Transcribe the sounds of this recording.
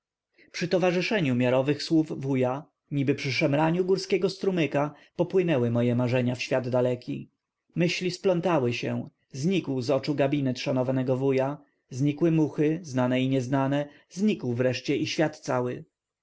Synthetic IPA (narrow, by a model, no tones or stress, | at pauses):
pʂɘt̪ɔvaʐɘʂɛɲumʲjaɾɔvɘxswuvvuja | ɲibɘpʂɘʂɛmɾaɲuɡuɾskʲɛɡɔst̪ɾumɘka | pɔpwɘnɛwɘmɔjɛmaʐɛɲafɕfʲjad̪d̪alɛkʲi | mɘɕlʲisplɔnt̪awɘɕɛ̰w̃ | zɲikwzɔt͡ʂuɡabʲinɛt̪ʂanɔvanɛɡɔvuja | zɲikwɘmuxɘznanɛiɲɛznanɛ | zɲikwvɾɛʂt͡ɕɛʔiɕfʲjat̪t̪sawɘ